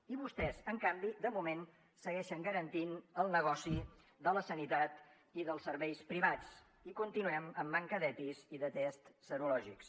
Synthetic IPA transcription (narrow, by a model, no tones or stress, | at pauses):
iβust̪ɛzəŋkambid̪əmumen | səɣɛʃəŋɡəɾənt̪inəlˠnəɣ̞ɔsi | d̪ələsənit̪at̪ | iðəlˠsəɾβɛjspɾiβ̞at͡s | ikunt̪inuɛməmːaŋkəðɛt̪iziðət̪ɛst̪səɾulɔʒiks